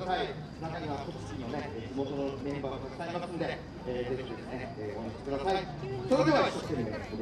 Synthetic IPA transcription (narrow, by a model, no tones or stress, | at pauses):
sai | nakaɲ̟iβat̪okkʲinoneed͡ʑimo̞t̪o̞nomẽ̞mbaːmokaɕi̥t̪aimasɨ̃nod̪e̞ | eːze̞çid̪e̞sɨne̞eːomoɕe̥kɯd̪asai | so̞ɾed̪e̞βat̪oskĩnod̪eso̥t̪od̪